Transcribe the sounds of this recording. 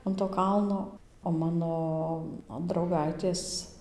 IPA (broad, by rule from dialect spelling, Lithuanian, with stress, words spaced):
ɐn toː ˈkɐlˠnoː oː ˈmɑːnoː drɐʊˈɡɐɪtʲeːs